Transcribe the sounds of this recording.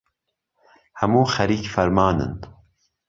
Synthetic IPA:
hɐmuːxɐɾiːkfɐɾmaːnɨ̰n

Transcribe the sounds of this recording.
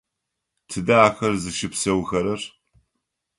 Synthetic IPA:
tʰɨdaːxɐrzɨʃɪpsɐwxɐɾɐr

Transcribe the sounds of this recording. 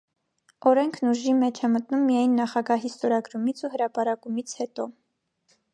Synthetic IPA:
ɔɾɛŋkʰnuʒimɛt͡ʃʰɛmət̪numːijɑjnːɑχɑɡɑɦist̪ɔɾɑɡɾumit͡sʰuɦəɾɑpɑɾɑkumit͡sʰhɛt̪ɔ

